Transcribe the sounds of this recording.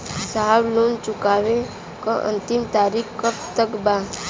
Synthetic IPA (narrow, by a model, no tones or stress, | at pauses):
saːawloːnt͡ʃʊkaːʋẽ | kaʔə̰̃nt̪imt̪aːɾikkəpt̪əkbaː